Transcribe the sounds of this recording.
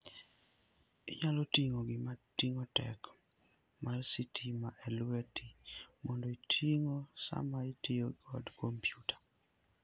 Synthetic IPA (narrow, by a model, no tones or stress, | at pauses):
ɪ̰ɲalotiŋoɡɪmatːiŋotɛ̰k | marsitʰimaʔɛlwetʰimɔndoitʰiŋosa̰maitɪoɡɔ̰dkompjutḁ